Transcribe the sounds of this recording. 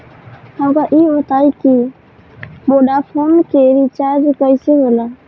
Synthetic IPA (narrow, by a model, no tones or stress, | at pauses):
həmkaʔiot̪aiki | moɖapʰonkeɾit͡ʃaɾd͡ʒkəɪseɦola